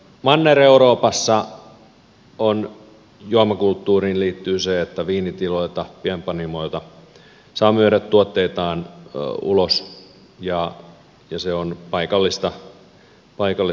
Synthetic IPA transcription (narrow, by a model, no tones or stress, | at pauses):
mɑnːeɾeuɾoːpɑsːɑ | on | juɑmɑkult̪ːuːɾiːnliːt̪ːyːseet̪ːæʋiːnit̪iloit̪ɑpiɛmpɑnimoit̪ɑ | sɑːmyøɾæt̪tuot̪ːeit̪ɑːnṵlos | jɑ | jɑseonpɑikɑlːist̪ɑ | pɑikɑlːi